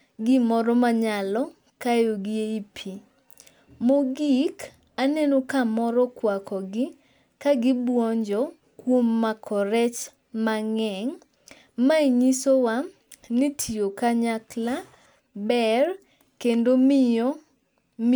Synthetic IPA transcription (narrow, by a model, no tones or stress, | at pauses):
ɡɪmɔɾɔmaɲalɔ | kajoɡieipʰi | moɡik | anɛnɔkamɔɾɔkwakɔɡɪ | kaɡɪbwɔɲd͡ʒɔ | kwomːakʰɔɾɛt͡ʃ | maŋɛŋ | maiɲisowa | nɪtʰiokaɲakla | bɛr | kendomɪɔ